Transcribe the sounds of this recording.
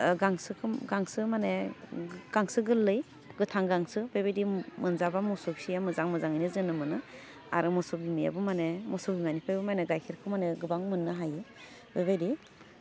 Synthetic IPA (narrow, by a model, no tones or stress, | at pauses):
ɡaŋsɯkʰɯɡaŋsɯmane | ɡ̥aŋsɯɡɯlːɯj | ɡɯtʰaŋɡaŋsɯbajbajdimɯnzabamɔsɔbsijamɯzaŋmɯzaŋɯjnɯzɯnɯmɯnɯ | a̰ɾɯmɔsɔbimija̰bɯmanemɔsɔbimanipʰajbɯmajnɯɡajkʰiɾkʰɯmaneɡɯbaŋmɯnːɯɦaje | b̥ejbajdi